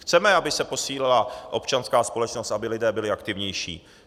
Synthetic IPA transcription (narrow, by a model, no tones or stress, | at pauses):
xt͡sɛmɛabɪsɛpo̞siːlɪlaʔo̞pt͡ʃanskaːspo̞lɛt͡ʃnost̪ʔabɪlɪdɛːbɪlɪakt̪ɪvɲɛjʃḭː